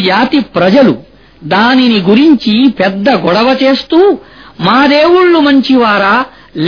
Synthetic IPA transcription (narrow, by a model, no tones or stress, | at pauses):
d͡ʒaːt̪ipɾɐd͡ʒɐlṵ | d̪aːniniɡuɾiɲt͡ʃipɛd̪ːɐɡɔɽɐʋɐt͡ʃe̞ːst̪uːmaːd̪eːwuɭːumɐɲt͡ʃiʋaːɾɐ | l